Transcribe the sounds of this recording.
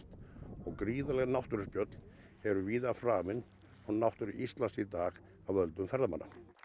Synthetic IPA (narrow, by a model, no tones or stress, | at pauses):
t̪ɔɣkɾiːðalɛɣnawht̪ʏɾɪspjœt̪l̥ | ɛɾʏviːðafɾaːmɪn | ɔɣnawht̪ʏɾʏʔist̪lansit̪aːɣ | avœlt̪ʏmfɛɾðama̰nːa̰